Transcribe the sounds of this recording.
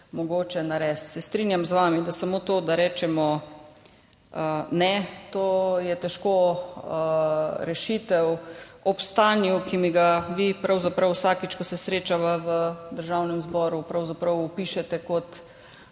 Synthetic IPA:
mɔɡoːt͡ʃɛnaɾɛːst̪sɛst̪ɾinjamzʋaːmid̪asamoːt̪oːd̪aɾɛːt͡ʃɛmɔ | nɛt̪oːjɛt̪ɛʃko | ɾɛʃit̪ɛwɔpst̪aːnjukimiɡaʋipɾawzapɾɐwsaːkit͡ʃkɔsɛsɾeːt͡ʃaʋaʋəd̪əɾʒawnɛmzbɔːɾupɾawzapɾɐwupiʃɛt̪ɛkɔt̪

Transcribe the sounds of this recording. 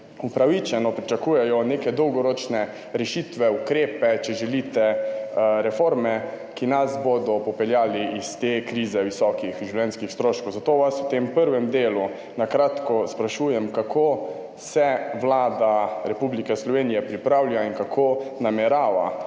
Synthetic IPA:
upɾaʋit͡ʃɛnɔpɾit͡ʃakuːjɛjɔneːkɛd̪ɔwɡɔɾot͡ʃnɛ | ɾɛʃit̪ʋɛukɾeːpɛt͡ʃɛʒɛlit̪ɛ | ɾɛfoːɾmɛ | kinasboːd̪ɔpɔpɛljaːliist̪ekɾiːzɛwʋisɔkixʒuwljɛnskixst̪ɾoːʃkɔwzat̪oːʋasut̪empəɾʋɛmd̪eːlu | nakɾaːt̪kɔspɾaʃuːjɛmkakʰoː | sɛʋlaːd̪aɾɛpublikɛslɔʋeːnijɛpɾipɾawlijainkakʰoːnamɛɾaːʋa̰

